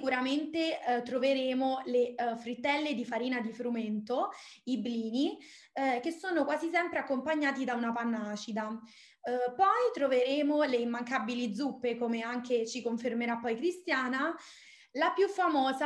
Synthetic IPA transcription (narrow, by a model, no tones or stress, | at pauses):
skuɾament̪et̪ɾoveɾeːmolefɾit̪ːɛlːed̪ifaɾiːnad̪ifɾument̪o | ibliːni | k̟esːoːnokwaːzisɛmpɾeakːompaɲːaːt̪id̪aunapanːaːt͡ʃid̪a | pɔjt̪ɾoveɾeːmoleimːaŋkabilid̪zːupːekomeaŋket͡ʃikoɱfermeɾapːɔjkɾist̪jaːna | lapjufːamɔːza